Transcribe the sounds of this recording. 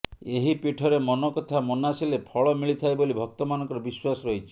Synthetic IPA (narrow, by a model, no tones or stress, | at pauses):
eɦipiʈʰɔɾemɔnɔkɔt̪ʰamɔnasilepʰɔɭɔmiɭit̪ʰajbolibʱɔk̚t̪ɔmanɔ̃ŋkɔɾɔbiswasɔɾɔɦit͡ʃʰi̥